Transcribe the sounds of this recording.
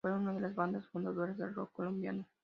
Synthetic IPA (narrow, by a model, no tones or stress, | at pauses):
ojunad̪elesband̪esfond̪at̪oɾed̪elrokːolumbia̰n